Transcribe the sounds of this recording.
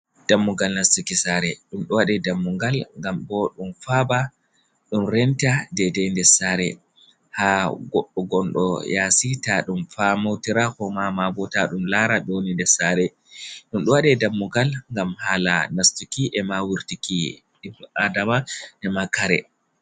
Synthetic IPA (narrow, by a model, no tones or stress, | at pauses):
d̥amːuɡalnastikisaɾɛɗumɗɔwaɗɛdamːuŋɡalŋɡambɔɗumfaba | ɗumɾɛntadɛdɛndɛsaɾɛ | haɡɔɗːɔɡɔnɗɔ̰jasitaɗumfamawtiɾakɔmamabɔtaɗumlaɾaɗonindɛsaɾɛ | ɗumɗɔwaɗɛdamːuɡalŋɡamhaːla̰nastikiʔɛmawiɾtiki | adamaʔɛmakaɾɛ̰